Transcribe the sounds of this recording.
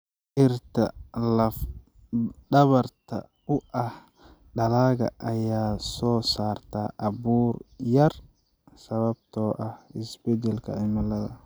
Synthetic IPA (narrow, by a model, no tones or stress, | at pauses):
ʔɪɾt̪ɐ̰lɐf | ɗɐβɐɾt̪ɐ̰ | ʊʔɐh | ɗɐlaːɡɐ̰ʔɐjaːsɔːsaːɾt̪aːʔɐbuːɾjɐɾ | sɐβɐb̚t̪ɔːʔɐhɪsbɛd͡ʒɛlkɐ̰ʕɪmɐlɐd̪ɐ̰